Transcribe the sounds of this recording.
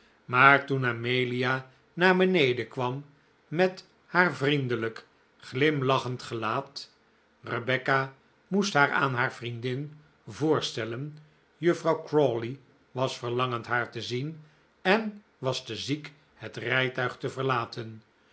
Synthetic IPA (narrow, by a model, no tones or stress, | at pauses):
maːɹtunamejlia | naːɹbənejdəkʋɑmː | ɛt | haːɹvrindələk | χlɪmlɑχəntχəlaːt | rəbɛka | mustɦaːɹa̰ːnɦaːɹv̥rindɪn | vʊːɹstɛlən | jɵfrɑwkrɔli | ʋɑsfəɹlɑŋəntɦaːɹtəzin | ɛn | ʋɑstəzik | hətrɛjtœɥχtəvəɹlaːtʰən